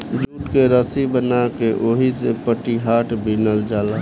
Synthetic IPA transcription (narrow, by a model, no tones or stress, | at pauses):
d͡ʒuːʈkeɾəsibənakeʔoːɦisepəʈiɦaːʈʰbʱinəld͡ʒaːlaː